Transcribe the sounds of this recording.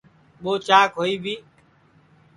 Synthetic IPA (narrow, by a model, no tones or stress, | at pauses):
ɓoːt͡ʃaːkɦoːiːbʱiː